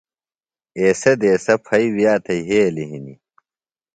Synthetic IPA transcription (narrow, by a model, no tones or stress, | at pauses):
eːsɐd̪eːsɐpʰɐiwjaːt̪ʰɐiɦeːliɦinḭ